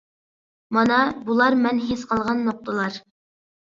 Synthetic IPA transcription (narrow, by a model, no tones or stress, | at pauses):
mɑnɑbulˠɑɾmɛnɦesqʰɑlˠʁɑnːoq̚t̪əlˠɑɾ